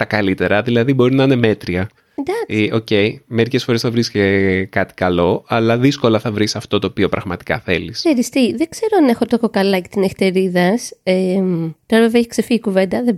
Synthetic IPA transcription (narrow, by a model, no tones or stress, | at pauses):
t̪ɐkɐlit̪e̞ɾɐðilɐðibo̞ɾinɐine̞me̞t̪ɾiɐ | end̪ɐo̞ce̞jme̞ɾice̞sfo̞ɾe̞sθɐvɾiscekɐt̪i̥kɐlo̞ɐlɐðisko̞lɐθɐvɾisɐft̪o̞t̪o̞ːpio̞pɾɐɣmɐt̪i̥kɐ̰θe̞̰liseɾist̪iðe̞ɡ̥z̥e̞ɾoɐne̞xot̪okokɐlɐcet̪inefi̥t̪eɾiðɐsemt̪oɾɐveveiç̥ksefiːkuve̞nd̪ɐðe